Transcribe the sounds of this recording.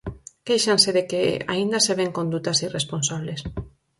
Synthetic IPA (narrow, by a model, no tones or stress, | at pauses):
kejʃanseðekea̰ind̪aseβeŋkõnd̪ut̪asiresponsaβles